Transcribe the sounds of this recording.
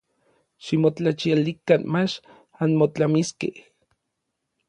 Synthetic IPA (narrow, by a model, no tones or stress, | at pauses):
ʃimot͡ɬat͡ʃialikanmat͡ʃ | anmot͡ɬamiskḛh